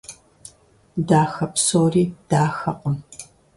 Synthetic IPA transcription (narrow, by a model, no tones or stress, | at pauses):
daːxɐpsoːriːd̥aːxɐqʷʊm